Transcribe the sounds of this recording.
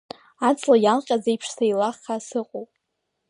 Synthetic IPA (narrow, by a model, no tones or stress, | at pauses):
at͡sʰʼlajalqʲʼazajpʰʂsajlaχasɨqʼowpʼ